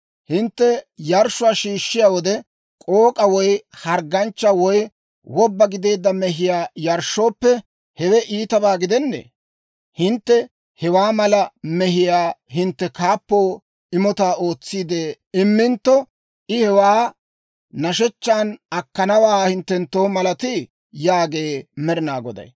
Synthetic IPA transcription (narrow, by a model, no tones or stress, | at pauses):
hɪnt̪ːɛjɐɾʃʊwaːʃiːʃːɪjaːwɔd̪ɛ | kʼoːkʼɐwɔjhɐɾɡɐnt͡ʃːɐwɔj | wɔbːɐɡɪd̪e̞ːd̪ːɐmɛɦɪjaːjɐɾʃːoːpːɛ | hɛwɛʔiːt̪ɐbaːɡɪd̪ɛnːḛː | hɪnt̪ːɛ | hɛwaːmɐlɐmɛɦɪjaːɦɪnt̪ːɛkaːpːoː | ɪmɔt̪aːoːt͡sːiːd̪eː | ɪmːɪnt̪ːɔ | ʔɪhɛwaː | nɐʃɛt͡ʃːaːnɐkːɐnɐwaːhɪnt̪ːɛnt̪ːo̞ːmɐlɐt̪ɪ | jaːɡe̞ːmɛɾɪnaːɡɔd̪ɐ̰j